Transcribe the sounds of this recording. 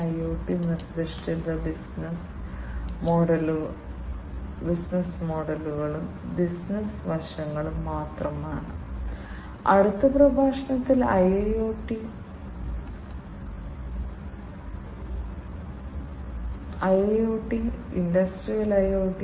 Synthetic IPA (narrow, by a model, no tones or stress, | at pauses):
ɐjoːʈːinird̪iʂʈild̪ɐbisns | moɖɐl | bisnɐsmo̞ːɽɐluɣɐɭum | bisnɐsʋɐrʂɐŋːɐɭumːaːt̪rɐmaːɳɨ̰ | ɐɽut̪ːɐprɐbʱaːʂɐɳɐt̪ːilɐjjoːʈːi | ɐjɐjjoːʈːiindɐsʈrijɐlɐjoːʈːi